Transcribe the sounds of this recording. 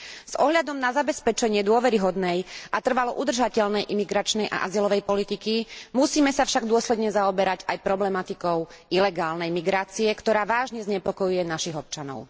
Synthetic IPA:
z̥ɔɦʎad̪ɔmnazabɛspɛt͡ʃɛɲɪɛd̪ʊɔʋɛɾiɦɔd̪nɛjʔat̪r̩ʋalɔʔud̪r̩ʒacɛʎnɛjʔimiɡɾat͡ʃnɛjʔa̰ʔa̰zilɔʋɛjpɔlit̪ikimusiːmɛsafʃaɡd̪ʊɔslɛd̪ɲɛzaɔbɛɾaɟajpɾɔblɛmat̪ikɔʊ | ilɛɡaːlnɛjmiɡɾaːt͡siɛkt̪ɔɾaːʋaːʒɲɛzɲɛpɔkɔjujɛnaʃiɣɔp̚t͡ʃanɔ̰ʊ

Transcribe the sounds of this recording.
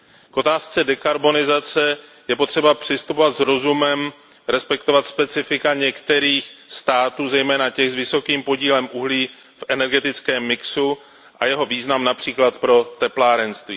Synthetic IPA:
kʔo̞t̪aːst͡sɛdɛkaɾbo̞nɪzat͡sɛjɛpo̞t̪r̥ɛbapr̝̥ɪst̪upo̞vat̪zɾo̞zumɛm | ɾɛspɛkt̪o̞vat̪spɛt͡sɪfɪkaɲɛkt̪ɛɾiːxst̪aːt̪uːzɛjmɛːnacɛɣzvɪso̞kiːmpo̞ɟiːlɛmʔuɦliː | fʔɛnɛɾɡɛt̪ɪt͡skɛːmːɪksu | ʔa̰jɛɦo̞viːznamnapr̝̥iːklat̪pɾo̞t̪ɛplaːɾɛnst̪vḭː

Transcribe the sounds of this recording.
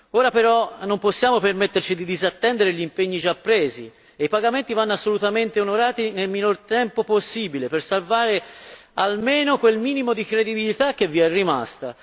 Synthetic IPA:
oːɾapeɾɔnːomposːjaːmopermet̪ːert͡ʃid̪id̪izat̪ːɛnd̪eɾeʎimpeɲːid͡ʒapːɾeːzḭ | eipaɡament̪ivanːasːolut̪ament̪eonoɾaːt̪inelminort̪ɛmpoposːiːbilepersalvaːɾealmeːnokwelmiːnimod̪ikɾed̪ibilit̪akːevːiɛrːima̰st̪a̰

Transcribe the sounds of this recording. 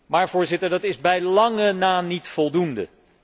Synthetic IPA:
maːɹvʊːɹzɪtəɹdɑtɪzbɛjlɑŋənaːnitfɔlˠdundə̰

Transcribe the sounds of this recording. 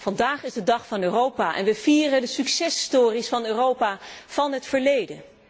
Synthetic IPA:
v̥ɑndaːχɪzdədɑχfɑnøːrowpaːʔɛ̰nʋəv̥iːrədəsyksɛsstʊːrisfɑnøːrowpaːv̥ɑnɦətfəɹlejdə

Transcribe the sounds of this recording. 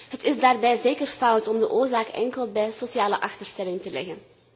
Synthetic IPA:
ɦətɪzdaːrbɛjzeːkərfɑwtɔmdəʔoːɹzaːkɛ̰ŋkəlˠbɛjsosiaːləʔɑxtərstɛlɪŋtəlɛɣən

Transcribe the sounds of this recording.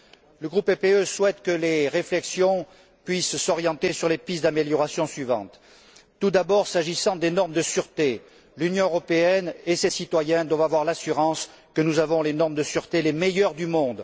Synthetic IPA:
ləɡʁupepeøswɛt̪kəleʁeflɛksjɔ̃ | pɥisːɔʁjɑ̃t̪esyʁlepisd̪ameljɔʁasjɔ̃sɥivɑ̰̃t̪ː | ud̪abɔʁsaʒisɑ̃d̪enɔʁmd̪əsyʁt̪e | lynjɔ̃øʁɔpeɛnesesit̪wajɛ̃d̪wavavwaʁlasyʁɑ̃s | kənuzavɔ̃lenɔʁmd̪əsyʁt̪elemejœʁd̪ymɔ̃d̪

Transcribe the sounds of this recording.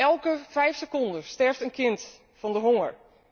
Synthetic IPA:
ɛlˠkəfɛjfsəkondəstɛɹftənkɪnt | fɔndəɦoŋəɹ

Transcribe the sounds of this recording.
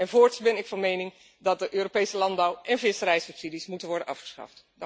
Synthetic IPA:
ɛnvoːɹtsbɛnɪkfɑnmejnɪŋ | dɑt̚dəʔøːropejsəlɑnbɑwʔɛnvɪsəɾɛjsɵpsidismutənʋɔɹdənʔɑfχə̥sχɑ̰ft

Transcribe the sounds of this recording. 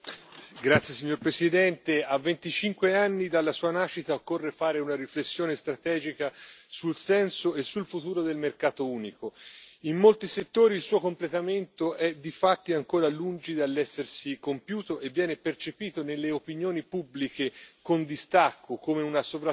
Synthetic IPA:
ɡɾat̪sjesiɲːoɾpɾesid̪ɛnt̪eavːent̪it͡ʃiŋkweanːid̪alːasuːanaʃːit̪aokːorːefaːɾeunaɾiflesːjoːnest̪ɾat̪ɛːd͡ʒikasulsɛnsoesːulfut̪uːɾod̪elmerkaːt̪ouːnikoimːolt̪iset̪ːoːɾiːlsuːokomplet̪ament̪oʔɛd̪ifat̪ːiaŋkoːɾalund͡ʒid̪alːɛsːersikompjuːt̪oʔevːjɛːnepert͡ʃepiːt̪onelːeopinjoːnipubːlikekond̪ist̪akːokomeunasovɾa

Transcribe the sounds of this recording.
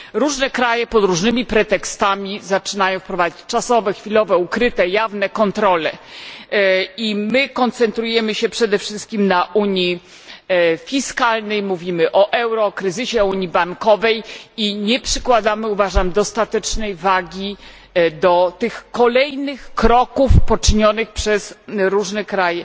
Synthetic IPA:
ɾuʐnɛkɾajɛpɔd̪ɾuʐnɘmʲipɾɛt̪ɛkst̪amʲizat͡ʂɘnajɔw̃fpɾɔvad͡ʑit͡ɕt͡ʂasɔvɛxfʲilɔvɛukɾɘt̪ɛjavnɛkɔnt̪ɾɔlɛ | imɘkɔnt̪sɛnt̪ɾujɛmɘɕɛpʂɛd̪ɛfʂɘst̪̚kʲimnaʔuɲi | fʲiskalnɛjmuvʲimɘʔɔʔɛwɾɔkɾɘzɘɕɛɔuɲibaŋkɔvɛjiɲɛpʂɘkwad̪amɘuvaʐamd̪ɔst̪at̪ɛt͡ʂnɛjvaɡʲi | d̪ɔt̪ɘxkɔlɛjnɘxkɾɔkufpɔt͡ʂɘɲɔnɘxpʂɛsɾuʐnɛkɾajɛ

